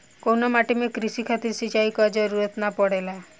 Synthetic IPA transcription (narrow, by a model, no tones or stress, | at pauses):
konɔmaʈemekɾisikʰat̪iɾsit͡ʃajkɔd͡ʒɔɾuɾɔt̪napɔɽela